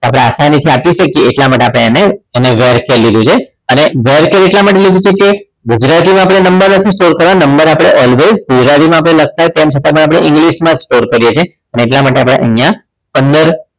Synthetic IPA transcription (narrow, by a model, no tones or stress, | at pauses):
apɽeasanət̪ʰiapiʃəkjeːʈlamaʈeapɽeaneəneʋeɾkelːid̪ũt͡ʃʰe | əneʋeɾkeleʈlamaʈelid̪ũt͡ʃʰeke | ɡud͡ʒɾat̪imãap̬ɽ̃enəmbəɾnət̪ʰisʈoɾkəɾʋanəmbəɾapɽ̃eʔɔlʋezɡud͡ʒɾat̪ʰimãapɽ̃elək̚ʰt̪aɾt̪emt͡ʃʰət̪apəɳ̃apɽ̃eʔɪ̃ŋɡliʃmãd͡ʒsʈoɾkəɾjet͡ʃʰie | əneːʈ̬lamaʈeapɽḛʔə̰ɦjã | pənd̪əɾ